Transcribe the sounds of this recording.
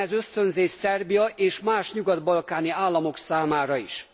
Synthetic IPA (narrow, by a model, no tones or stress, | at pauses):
ɛzø̞st̪ø̞nzeːʃsɛrbijɒʔeːʃmaːʃɲuɡɒd̪bɒlkaːniaːlːɒmo̞ksaːmaːɾɒiʃ